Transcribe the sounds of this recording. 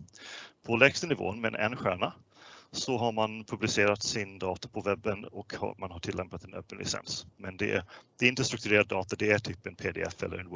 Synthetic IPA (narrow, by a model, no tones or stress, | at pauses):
pʰɔlɛkst̪ənɪvo̰ːənmɛnʔɛ̰nːɧæːɳa | sɔɦaɾmanpʰɵblɪseːɾat̪sɪnd̪ɑːt̪apʰɔvɛbːənɔkhmanɦaʈʰɪlːɛmpat̪ɛnœ̰ːpːənlʔɪ̰sɛ̰nsmɛnd̪ɛ̰d̪̥ɛɪnt̪əst̪ɾɵk̚t̪ɵɾeːɾad̪ːɑːt̪ad̪ɛæʈʰyːpːənpʰeːd̪ḛɛ̰fɛ̰lːə̰ɾɛnw